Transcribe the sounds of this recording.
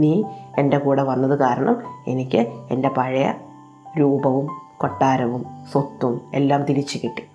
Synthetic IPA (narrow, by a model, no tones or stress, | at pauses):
niːe̞nde̞kuːɽeʋɐnːɐðɨkaːɾɐɳɐ̰me̞nikʲːɨende̞pɐɻɐjɐ̰ | ɾuːbɐʋumko̞ʈːaːɾɐʋumsot̪ːume̞̰lːaːmt̪iɾit͡ɕːukiʈːi̥